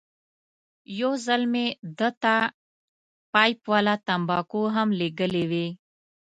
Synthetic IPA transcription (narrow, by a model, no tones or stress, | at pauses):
jozəlmed̪ət̪a | pajpwaːlat̪ɐmbɑːkoɦəmleɡəlewe